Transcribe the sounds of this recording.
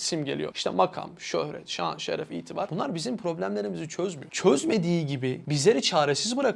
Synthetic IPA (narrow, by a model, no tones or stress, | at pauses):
simɟe̞lʲḭjo̰iʃt̪ʰɛmakʰa̰mʃøhɾɛ̰t̪ʃa̰nʃḛɾɛfḭjt̪ʰivaɾ̥bunlˠaɾbizimpʰɾo̞blʲæmlʲe̞ɾimizit͡ʃʰøzmyjot͡ʃʰøzme̞d̪iːɟibibizlʲe̞ɾit͡ʃʰaːɾesizbɯɾak